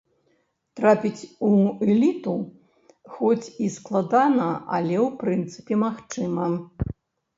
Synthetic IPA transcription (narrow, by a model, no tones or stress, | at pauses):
t̪ɾapʲit͡sʲuɛlʲit̪u | xɔt͡sʲisklˠad̪anɐa̰lʲɛwpɾɨnt̪sɨ̥pʲɛmaxt͡ʂɨmɐ